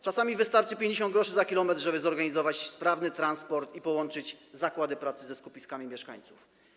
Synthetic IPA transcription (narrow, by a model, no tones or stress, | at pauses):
t͡ʂasamʲivɘst̪aɾt͡ʂɘpʲjeɲd͡ʑeɕɔnd̪ɡɾɔʂɘzakʲilɔmɛt̪ɾʐɛbɘzɔɾɡaɲizɔvat͡ɕspɾavnɘt̪ɾanspɔɾt̪ipɔwɔnt͡ʂɘd͡ʑzakwad̪ɘpɾat̪sɘzɛskupʲiskamʲimʲjɛʂka̰ɲt̪suf